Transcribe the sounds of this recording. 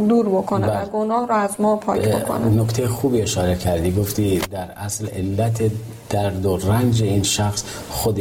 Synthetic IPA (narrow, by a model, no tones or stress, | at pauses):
d̪uːɾbokʰonɡonɒːhɾɔæzmɒːpʰɒ̰bokʰo̰nnokt̪ʰejexuːbieʃɒːɾecʰæɾd̪iːɡoft̪iːd̪æɾæslelːæt̪ʰe | d̪̥æɾd̪orænd͡ʒeinʃæxs | xod̪e